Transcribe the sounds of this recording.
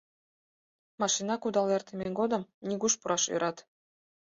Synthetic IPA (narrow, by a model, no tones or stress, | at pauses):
mɑʃinɑkud̪ɑlert̪emʲeŋɡod̪ə̆mnʲiɡuʃpuɾʔɑʃy̰ɾʔɑt̪